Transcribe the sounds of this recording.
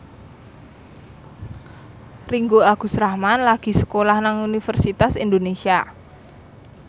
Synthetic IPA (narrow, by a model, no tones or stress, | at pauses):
riŋɡoaɡ̥ṳsɾahmanlaɡ̥i̤sə̥kolahnaŋunifərsit̪asind̪onesia